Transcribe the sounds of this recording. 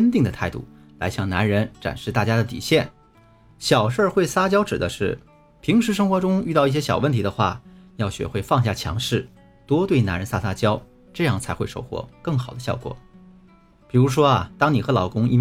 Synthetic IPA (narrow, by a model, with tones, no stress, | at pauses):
ə˥nt̪i˥˩ŋd̪ə˩t̪ʰa˥˧ɪt̪ṵ˥˩ | la˧˥ɪɕjɑ˥˩ŋna̰˧˥nɻə˧˥nʈ͡ʂa̰˨˩nʂɻ̩˥˧t̪a˥˩t͡ɕja˥d̪ə˨t̪ḭ˨˩ɕjɛ˥˩n | ɕjɑ˨˩ʊʂə˞˥˧xwe˥˩ɪsa˥t͡ɕjɑ˥ʊʈ͡ʂɻ̩˨˩d̪ə˦ʂɻ̩˥˩ | pʰi˧˥ŋʂɻ̩˧˥ʂ̬ɤ˥ŋxwɔ˧˥ʈ͡ʂʊ˥ŋy˥˧t̪ɑ˥˧ʊi˥˩ɕjɛ˥ɕjɑ˨˩ʊwə˥˩nt̪ʰi˧˥d̪ə˧xwa̰˥˩jɑ˥˩ʊɕɥɛ̰˧˥xwe˥˧ɪfɑ˥˧ŋɕ̬ja˥˩t͡ɕʰjɑ̰˧˥ŋʂɻ̩˥˩ | t̪wɔ˥t̪we˥˩ɪna̰˧˥nɻə˧nsa˥˩sa˥t͡ɕjɑ˥ʊ | ʈ͡ʂɤ˥˧jɑ˥˩ŋt͡sʰa˧˥ɪxwe˥˧ʂo˥˧ʊxwɔ̰˥˩kɤ˥˩ŋxɑ˨˩ʊd̪ə˦ɕjɑ˥˩ʊkwɔ̰˨˩˦ | pi˨˩ɻu˧˥ʂ̬wɔ˥ɐ˨˩t̪ɑ˥ŋni˨˩xɤ˧˥lɑ˨˩ʊkʊ˥ŋḭ˥˩